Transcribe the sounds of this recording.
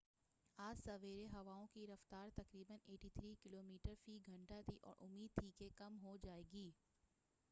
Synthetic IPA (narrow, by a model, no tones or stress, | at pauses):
aːd͡ʒsɐʋeːɾeɦɐʋaːõkiɾɐft̪aːɾt̪ɐkɾiːbəneːʈit̪ʰɾiːkɪloːmiːʈəɾfiːɡʱɐ̃ɳʈat̪ʰiʔɔ̰ːɾʔʊ̰mːiːd̪̚t̪ʰikekɐmɦod͡ʒaːeːɡiː